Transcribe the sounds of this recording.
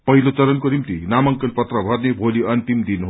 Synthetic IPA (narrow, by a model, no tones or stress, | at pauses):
pʌɦilot͡sʌɾʌnkonimt̪inamʌŋkʌlpʌt̪rʌbʱʌrnebʱoliʌnt̪imd̪inɦ